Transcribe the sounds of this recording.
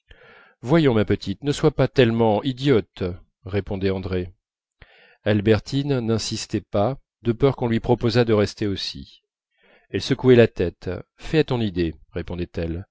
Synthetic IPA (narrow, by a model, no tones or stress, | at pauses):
vwajɔ̃mapət̪it̪nəswapat̪ɛlmɑ̃id̪jɔt̪ | ʁepɔ̃d̪ɛɑ̃d̪ʁe | albɛʁt̪ʰinnɛ̃sist̪ɛpa | d̪əpœʁkɔ̃lɥipχɔpozad̪əʁɛst̪eosḭ | ɛlsəkuɛlat̪ɛt̪fɛat̪ɔ̃nid̪eʁepɔ̃d̪ɛt̪ɛl